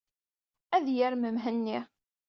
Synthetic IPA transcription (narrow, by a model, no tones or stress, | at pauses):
æðjəɾməmɦənːi